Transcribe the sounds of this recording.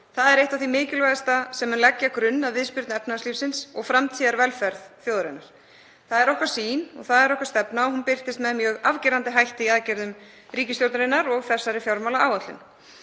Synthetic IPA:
θaðɛɾejht̪awθimɪːcɪlvɛðast̪asɛmɛnlɛcːakɾʏnːaðvɪðspʏɾt̪nɛpnasliːfsɪnsɔɣfɾamt̪ʰiːðaɾvɛlfɛɾðθjoːwðʏɾɪnːaɾ̥ | θaðɛɾɔhkvaɾ̥siːnɔ̰ɣθaðɛɾɔhkvaɾst̪ɛpnaɔhunpɪr̥t̪ɪst̪mɛðmjœːɣavcɪɾant̪ɪɦajht̪ɪiaðcɛɾðʏm | ɾiːcɪst̪joɾt̪aɾɪnːaɾɔɣθɛsːaɾɪfjɔɾmawlaaːwat̪lɪ̰n

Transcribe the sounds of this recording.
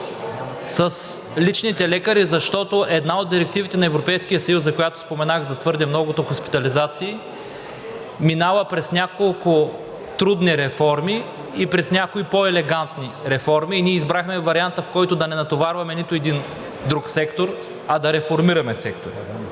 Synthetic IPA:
sɐs | lit͡ʃnit̪ɛlɛkəɾizɐʃt̪ɔt̪oʔɛd̪naod̪d̪iɾɛk̚t̪ivit̪ɛnɐɛvɾopɛjskijəsɐjuszɐkojat̪ʊ̥spomɛnaɣzɐt̪vɤɾd̪ɛmnɔɡʊt̪oxospi̥t̪ɐlizat̪siː | minalɐpɾɛsnʲakolˠkʊ | t̪ɾud̪niɾɛfɔɾmiː | pɾɛsnʲakoipoɛlɛɡant̪niɾɛfɔɾmiːniɛizbɾaxmɛvɐɾiant̪əfkɔjt̪ʊd̪ɐnɛnɐt̪ovaɾvɐmɛnit̪ʊɛd̪in | d̪ɾuksɛkt̪oɾ | ɐd̪ɐɾɛfoɾmiɾɐmɛsɛk̚t̪oɾḭ

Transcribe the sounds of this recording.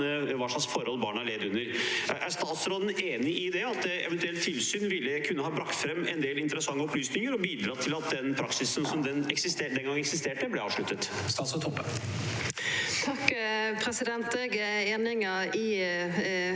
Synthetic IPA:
əʋɑːʂɑksfɔɾəhɔlbɑːɳəæɭeːd̪ʉnːəɾ̰ʔæst̪ɑːt̪sɾɔd̪nʔeːnɪʔɪd̪ɛɑt̪ɛ̰ʋɛnt̪ʉɛlt̪t̪ʰːɪlsyːnʋɪlːəkʰʉnːəhɑːbɾɑkt̪fɾɛmːɛnd̪eːlɪnt̪əɾəsɑŋːəɔplyːsnɪŋəɾɔbiːd̪ɾɑːt̪ʰɪlɑt̪̚d̪ɛnpʰɾɑksɪsən̩sɔmd̪ɛnɛksɪst̪eːd̪ɛnɡɑŋəɛksɪst̪eːʈəblɛɾɑːʋʂɭʉt̪ːət̪ | st̪ɑːt̪sɔt̪ʰɔpːə | t̪ʰɑkpʰɾɛsɪd̪ɛnt̪eɡəeːnɪŋəi

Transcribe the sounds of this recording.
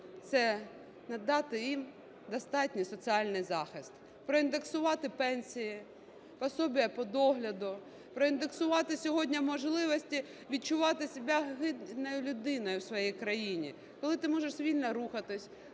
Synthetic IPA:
t̪sɛ | nɐd̪ːɑt̪ɪjim | d̪ɔst̪ɑtʲnʲisɔt͡sʲiɑlʲnɪjzɑxɪst̪ | pɾɔind̪e̞ksʊʋɑt̪ɪpɛnʲsʲiji | pɔsɔbʲijɐpɔd̪ɔɦlʲɐd̪ʊ | pɾɔind̪eksʊʋɑt̪ɪsʲɔɦɔdʲnʲɐmɔʒlˠɪʋɔsʲtʲi | ʋʲid̚t͡ʃʊʋɑt̪ɪsʲɪbʲaɦɪd̪nɔjʊlʲʊd̪ɪnɔjʊwsʋɔjijkɾɐjinʲḭ | kɔlˠɪt̪ɪmɔʒeʂzʋʲilʲnɐɾuxɐt̪ɪsʲ

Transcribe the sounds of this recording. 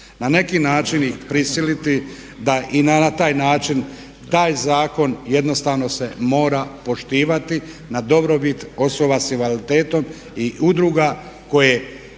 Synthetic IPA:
nane̞kinaːt͡ʃinixpɾisilit̪i | d̪aʔinanat̪aːjnaːt͡ʃin | t̪aːjzaːko̞nje̞d̪no̞st̪aʋno̞se̞mo̞ːɾapo̞ʃt̪iːʋat̪i | nad̪o̞bɾo̞bit̪o̞so̞basiʋalit̪e̞ːt̪o̞m | iʔud̪ɾuːɡa | ko̞je

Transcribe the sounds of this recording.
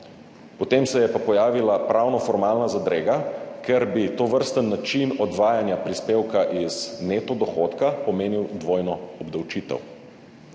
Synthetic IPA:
pɔt̪eːmsɛjɛpapɔjaːʋilapɾawnɔfɔɾmaːlnazad̪ɾeːɡakɛɾbit̪oːʋəɾst̪ənːat͡ʃinɔd̪ʋaːjanjapɾispeːwkaʔiznet̪ɔd̪ɔxot̪kapɔmeːniwd̪ʋoːjnɔɔbd̪awt͡ʃiːt̪ɛ̰w

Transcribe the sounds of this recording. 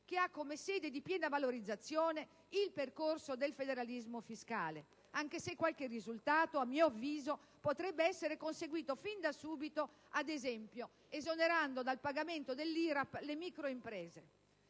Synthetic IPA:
k̟eakːomesɛːd̪ed̪ipjɛːnavaloɾid̪zːat̪sːjɔːne | ilperkorsod̪elfed̪eɾalizmofiskaːle | aŋk̟esekːwalk̟erizult̪aːt̪oamːiːoavːiːzo | pot̪ɾɛbːeɛsːeɾekonseɡwiːt̪ofind̪asuːbit̪o | ad̪ezɛmpjo | ezoneɾand̪od̪alpaɡament̪od̪elːiːɾaplemikɾoimpɾɛːze

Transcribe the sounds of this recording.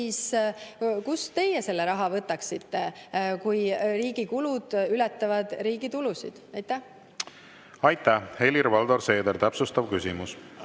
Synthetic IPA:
iːs | kust̪e̞jese̞lːeɾɑɦɑvɤt̪ːˑɑksit̪ːe̞kujriːɡikulud̪̥ylɛt̪ˑːɑvɑd̪̥ɾiːɡ̥it̪ulusḭd̪̥ɑjt̪ːˑæh | ɑjt̪ːˑæhe̞lʲiɾvɑld̪oɾse̞ːd̪eɾt̪æpsust̪ɑvkysʲimus

